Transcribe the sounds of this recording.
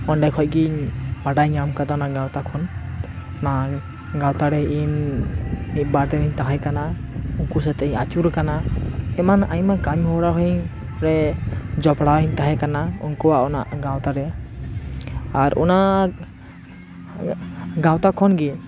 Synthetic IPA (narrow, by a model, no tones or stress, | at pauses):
ɔɳɖajkʰɔc̚ɡiɲbaɖajɲamkad̪ɔnaʔɡawt̪akʰɔn | na | ɡãwt̪aɾɛin | mit̪̚ˀbaɾd̪ɛɾiɲt̪aɦajkana | uŋkus̬at̪iat͡ʃuɾɛkanaɛmanajmakamihɔɽaɦɔɲ | ɾɛd͡ʒɔpɽawɲt̪aɦɛkanaṵŋkuwaʔɔna̰ʔɡãwt̪aɾɛ | aɾɔ̰na | ɡãwt̪akʰɔnɡiɲ